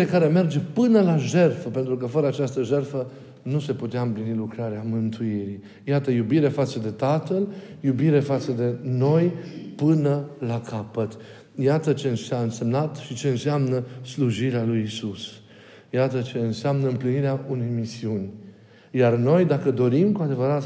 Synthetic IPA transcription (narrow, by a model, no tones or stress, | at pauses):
ekaɾe̞me̞rd͡ʒe̞pɨnəlaʒe̞rfəpe̞nt̪ɾukəfəɾəat͡ʃast̪əʒe̞rfə | nuse̞put̪eaɨmplinilukɾaɾeamɨnt̪uiɾi | jat̪əjubiɾe̞fat̪səd̪e̞t̪at̪əljubiɾe̞fat̪səd̪e̞no̞jpɨnəlakʰapət̪ | jat̪ət͡ʃe̞ɨnsaɨnse̞mnat̪ʃit͡ʃe̞ɨnsɪamnəsluʒiɾealujisus | jat̪ət͡ʃe̞ɨnseamnəɨmpliniɾeaune̞jmisiunʲ | jarno̞jd̪akəd̪o̞ɾimkuad̪e̞vəɾat̪